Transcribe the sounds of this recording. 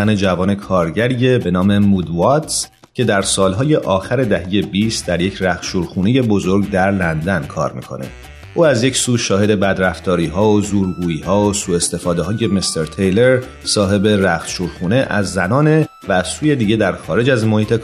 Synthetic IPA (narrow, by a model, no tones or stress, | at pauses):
æne̞d͡ʒævɒːne̞kʰɒːɾɟæɾiːebe̞nɒːme̞mud̪vɒt̪s | cʰe̞d̪æɾsɒːlɦɒːje̞ʔɒːxæɾe̞d̪æɦe̞je̞biːst̪̚d̪æɾje̞cʰræxʃuːɾxuːne̞je̞bo̞zoɾɡd̪æɾlænd̪ænkʰɒ̰ːɾmḭːkʰo̞̰nḛ | ʔuːæzjecsuːʃɒːhed̪e̞bæd̪ɾæft̪ɒːɾiːɦɒːozuːɾɡuːiːɦɒːosuːe̞st̪e̞fɒːd̪e̞ɦɒːje̞mist̪ʰeɾt̪ʰejleɾ | sɒːɦe̞be̞ræxʃuːɾxuːne̞ʔæzːænɒːne | væːz̥suːje̞d̪iːɟe̞d̪æɾxɒːɾe̞d͡ʒæzmo̞hiːt̪ʰe